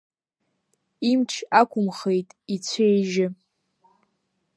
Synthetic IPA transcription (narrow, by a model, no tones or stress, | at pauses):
imʈ͡ʂʰakʷʊmχejtʼit͡ɕʷʰejʒɪ